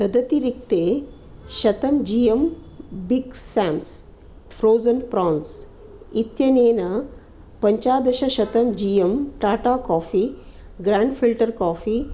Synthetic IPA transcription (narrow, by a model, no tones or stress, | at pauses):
t̪ɐd̪ʱɐt̪iɾik̚t̪e | ʃɐt̪ɐmd͡ʑijem | biɡsaːms | fʰɾoːzənpɾɔ̃ːns | it̪jɐneːnɐ | pɐɲt͡ɕaːd̪ɐɕɐɕɐt̪ɐmd͡ʒijemʈaːʈakɔːfiː | ɡɾaːɳɖfilʈəɾkɔːfi